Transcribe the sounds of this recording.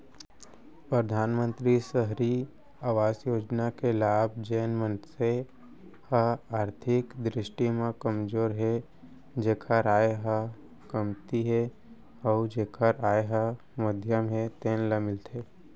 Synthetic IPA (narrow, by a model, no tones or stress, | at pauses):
pɾəd̪ʱaːnmə̃nt̪ɾisəɦɾi | aːʋaːsjoːd͡ʒnakelaːb̚ʱd͡ʒeːnmə̃nse | həaːɾt̪ʰɪkd̪ɾɪʃʈimãkəmd͡ʒoːɾɦɛ | d͡ʒeːkʰaɾaːjeɦə | kəmt̪iɦɛ | ɔːd͡ʒeːkʰaɾaːeɦə | məd̪ʱjəmɦɛt̪eːnləmɪlt̪eː